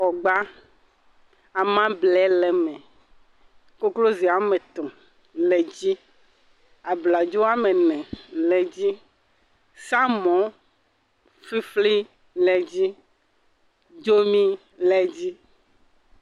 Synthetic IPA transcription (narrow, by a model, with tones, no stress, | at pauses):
ɔ˨ɡ͡ba˦ | a˨mã˦blɛ˨˦lɛ˨mɛ̃˨ | ko˦klo˦zi˨a˨mɛ̃˨t̪ɔ̃˨ | lɛ˨d͡ʑi˦ | a˨bla˨d͡ʒo˦a˦mɛ̃˨nɛ̃˨lɛ˨d͡ʑi˦ | sa˦mɔ̃˨˦ | fi˦fli˦ | lɛ˨d͡ʑi˦ | d͡ʒo˦mĩ˦ | lɛ˨d͡ʑi˦